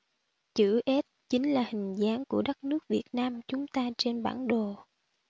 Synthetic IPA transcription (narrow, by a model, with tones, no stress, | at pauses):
t͡ɕɨ̰˧˥ʔɛ˦˥t̚t͡ɕï˨˦ŋ̟laː˨˩hï˨˩ŋ̟zaː˨˦ŋku˧˩əɗə˦˥t̚nɨ˦˥ək̚vi˨˩ət̚naː˧mt͡ɕʊ˨˦ŋ͡mt̪aː˧t͡ɕe˧nɓa̰ː˧˩nɗo˨˩